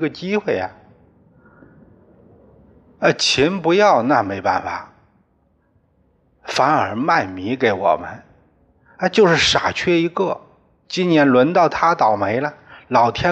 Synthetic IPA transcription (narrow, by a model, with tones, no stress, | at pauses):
ɡə˧t͡ɕi˥xwe˥˩ɪa̰˩ | ɐ˥˧t͡ɕʰi˧˥npu˧˥jɑ˥˧ʊna˥˩me˧˥ɪpa̰˥˩nfa˨˩ | fa˧˥nə˞˧˥ma˥˩nmi˧˥ke˧˥ɪwɔ̰˨˩mə̰˦n | a˥˧t͡ɕjo˥˧ʊʂɻ̩˥˩ʂa̰˨˩t͡ɕʰɥɛ˥i˧˥ɡɤ˥˩ | t͡ɕi˥njɛ˧˥nlwə˧˥nt̪ɑ˥˩ʊt̪ʰa˥t̪ɑ˨˩ʊme˧˥ɪlɐ˧lɑ˨˩ʊt̪ʰjɛ˥